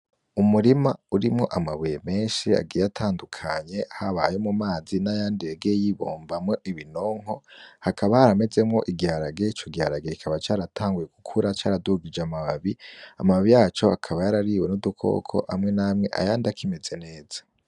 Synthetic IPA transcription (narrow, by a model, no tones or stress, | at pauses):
umuɾimauɾimŋo̞ʔamaβujeme̞ːnʃia̰ɡiɾejatʰaːndukʰaɲe̞haβaːjomumaːzinajaːndieɡejiβo̞̰ːmbamŋo̞ʔiβinoŋ̥o̞hakʰaβahaɾame̞ze̞mŋo̞ʔiɡiaɾaɡe̞it͡ʃoɡiaɾaɡekikʰaβat͡ʃaːɾatʰaːŋɡuje̞ɡukʰuɾat͡ʃaːɾaduhuɡid͡ʒamaβaβiamaβaβijaːt͡ʃo̞akʰaβajaɾaɾiːwe̞nudukʰo̞̰ːkʰo̞̰ʔa̰mŋe̞namŋe̞ʔa̰jaːndakʰime̞ze̞ne̞ːz̥ḁ